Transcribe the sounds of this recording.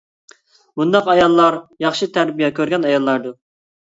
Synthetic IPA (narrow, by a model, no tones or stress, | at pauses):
bund̪ɑqɑjɑlˠːɑɾjɑχʃit̪ʰæɾbijɛkʲøɾɡʲɛnɑjɑlˠːɑɾd̪u